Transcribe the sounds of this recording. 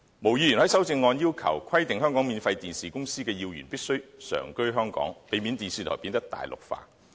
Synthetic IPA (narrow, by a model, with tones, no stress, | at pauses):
mo˨˩wjiː˧jy˨˩nhɐ˨˥jsɐ˥wt͡sɪ˧ŋːɔː˧njiː˥wkʰɐ̰˨˩wkʰɐ˥jt̪ɪ˨ŋɦœː˥ŋkɔː˨˥ŋmiː˨˧nfɐ˧jt̪iː˨nsiː˨kʊ˥ŋsiː˥kɛː˧jiː˧wjyː˨˩npiː˥k̚sɵ˥ɥsœ̰ː˨˩ŋkɵ˥ɥɦœː˥ŋkɔ̰ː˨˥ŋpe˨˧jmi˨˥nt̪iː˨nsiː˨t̪ʰɔː˨˩jpi˧nt̪ɐ˥k̚t̪a̰ː˨jlʔʊ̰˨˩k̚fa̰ː˧